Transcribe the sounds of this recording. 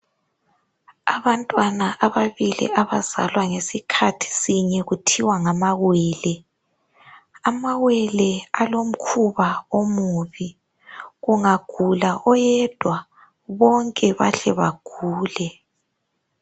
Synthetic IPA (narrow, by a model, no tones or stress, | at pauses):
aβantʼwanaʔaβaβilḭʔaβaz̥a̰lwaŋesikʰatʰi̥siɲɛɣutʰiwaŋamaɣwɛːlɛ | amaɣwɛlɛalom̩kʰuβaomuβi | ɣuŋaɡ̥ʱulaʔɔjɛd̥ʱwa | βɔŋkʼɛβa̰ɬɛβa̰ɡ̥ʱuːlɛ